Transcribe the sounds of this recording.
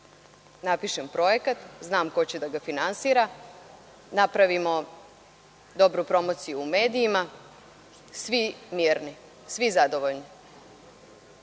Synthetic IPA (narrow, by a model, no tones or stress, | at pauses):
napiʃe̞mpɾo̞jekat̪znaːmko̞t͡ɕed̪aɡafinansiːɾa | napɾaʋimo̞ | d̪o̞bɾupɾo̞moːt̪sijuːme̞ːd̪ijima | sʋimjiːɾni | sʋizad̪o̞ʋo̞ʎni